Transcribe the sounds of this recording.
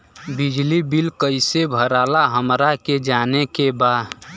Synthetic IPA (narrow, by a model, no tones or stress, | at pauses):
bɪd͡ʒlibɪlkəɪsebʱəɾaːlaɦəmɾaked͡ʒaːnekebaːd̪